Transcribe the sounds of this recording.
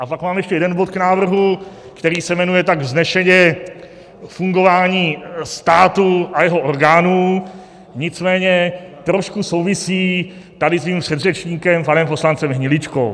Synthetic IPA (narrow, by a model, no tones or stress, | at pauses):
ʔapakmaːmjɛʃcɛjɛdɛnbo̞t̪knaːvr̩ɦu | kt̪ɛɾiːsɛmɛnujɛt̪aɡznɛʃɛɲɛ | fuŋɡo̞vaːɲiːst̪aːt̪uajɛɦoʔo̞ɾɡaːnuː | ɲɪt͡smɛːɲɛt̪ɾo̞ʃkuso̞wvɪsiːt̪adɪsviːmpr̝̥ɛd̪r̝ɛt͡ʃɲiːkɛmpanɛmpo̞slant͡sɛmɦɲɪlɪt͡ʃko̰